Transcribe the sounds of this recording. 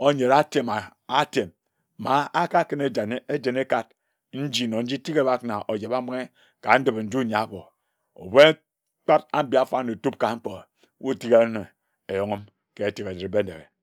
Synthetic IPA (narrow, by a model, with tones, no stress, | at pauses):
o˦ɲe˨ɾa˦te˨ma˨a˦te˨mː | a˦a˦ka˦kɨ˦ne˦d͡ʒa˨˦e˦d͡ʒe˨ne˦ka˦t̚ | n̩˦d͡ʒi˦˨no˨n̩˦d͡ʒi˦ti˦ke˦˨ba˦kna˨ʔo˨d͡ʒe˨ba˦ma˦ŋe˦ | ka˨n̩˦dbe˨n̩˦d͡ʒu˦˨ɲa˨bo˨ | o̰˨be˦ | k͡pa˦ta˦m̩˦bi˦a˦fa˦no˨tu˦p̚ka˨ŋ͡m̩˦k͡po˨˦ | wu˦˨ti˦ɣe˦ne˨ | e˨jo˨ŋo˦m | ke˦e˨ti˨ɣe˨di˨ɾbe˦n̩˦de˨ɣe˨